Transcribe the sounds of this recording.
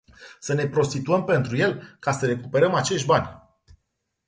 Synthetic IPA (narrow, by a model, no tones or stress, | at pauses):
səne̞pɾo̞st̪it̪uəmpe̞nt̪ɾuje̞lkasəɾe̞kupe̞ɾəmat͡ʃe̞ʃt̪̚ʲbanʲ